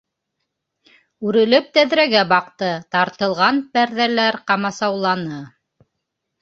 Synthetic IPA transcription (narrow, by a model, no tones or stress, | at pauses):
ʉɾɘ̆lɘp̚t̪æðɾæɡæbɑqt̪ɤt̪ɑɾt̪ɤ̆lˠʁɑnpæɾðælæɾqɑmɑsɑwlˠɑnɤ